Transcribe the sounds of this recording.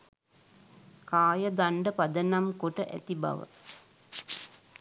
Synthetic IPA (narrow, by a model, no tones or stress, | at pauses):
kaːjəd̪aɳɖəpad̪ənamkoʈəʔæ̰t̪ibɐ̰ʋə̰